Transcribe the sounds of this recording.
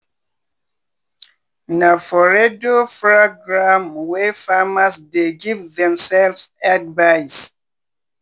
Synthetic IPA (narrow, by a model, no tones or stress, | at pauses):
nafɔɹedopɹoɡɹãmwɛfamasdeɡivðɛ̃msɛlvsadvajs